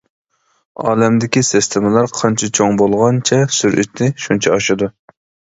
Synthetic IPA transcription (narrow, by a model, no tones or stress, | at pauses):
ɑ̰ːlɛmd̪ɪkʲisɪst̪ʰɪmɪlˠɑɾqʰɑnt͡ʃʰɪt͡ʃʰoŋbolˠʁɑnt͡ʃʰɛsyɾʔy̰t̪ʰɪʃunt͡ʃʰɛɑʃɨd̪u